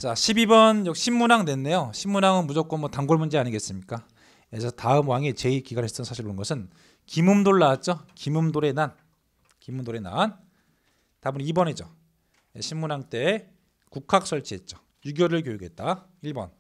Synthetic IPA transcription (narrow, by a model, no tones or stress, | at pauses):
t͡ɕaɕʰibibʌnjʌkɕʰimːunaŋne̞nːe̞joɕʰimːunaŋɯnmud͡ʑok͈ʌnmwʌtaŋɡoɭmund͡ʑeaɲiɡe̞ts͈ɯmɲik͈a | esʰʌtaɯmwaŋet͡ɕe̞ikiɡaɾɦes͈ʌnsʰaɕʰiɾonɯnɡʌsʰɯn | kimɯmdoɭːaːt̚t͡ɕ͈ʌkimumdoɾe̞nan | kimumdoɾe̞na̰n | tabunibʌned͡ʑʌ | eɕʰimːunaŋt͈e̞ | kukʰak̚s͈ʰʌɭt͡ɕʰiɦe̞t̚t͡ɕ͈ʌ̥ | juɡjoɾɯɭk̬jojuɡet̚t͈aiɭbʌn